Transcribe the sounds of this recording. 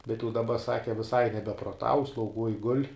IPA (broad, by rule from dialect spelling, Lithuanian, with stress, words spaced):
bʲɛt jɛʊ dɐˈbɐ ˈsɑːkʲɪ ʋʲɪˈsɐɪ nʲɛbʲɛproːˈtɐʊ slˠɐʊˈɡuɔj ɡʊlʲ